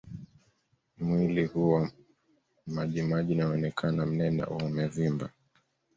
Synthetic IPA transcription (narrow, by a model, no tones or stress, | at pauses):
mwilihuwa | maʄimaʄinaɔnɛkʰanam̩nɛna̰ʔuumɛvimba̰